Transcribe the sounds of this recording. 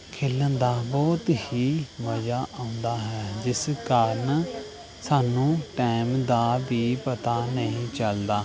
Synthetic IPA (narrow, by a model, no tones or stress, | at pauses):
kʰɪːlːə̃nd̪aːbɔːt̪hiːməd͡ʒaːʔãːʊ̃nd̪aːɦɛːd͡ʒɪskəɾən | saːnũːʈɛːɪmd̪aːbiːpət̪aːnəɦĩːt͡ʃəld̪aː